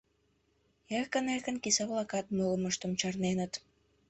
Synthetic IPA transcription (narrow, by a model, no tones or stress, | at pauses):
ekənekənkisɑβlˠɑkɑt̪̚molə̆məʃt̪ə̆mt͡ɕɑrnenət̪